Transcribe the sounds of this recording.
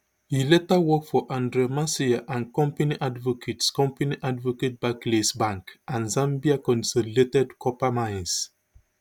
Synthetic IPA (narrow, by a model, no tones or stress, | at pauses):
hilɛtawɔkfɔʔãndɹemasiaʔãnkɔ̃mpaniʔadvɔkʰetskɔ̃mpaniʔadvoket̚baklesbãŋkãnzãmbiakɔ̃nsoletɛdkʰɔpamãɪ̃ns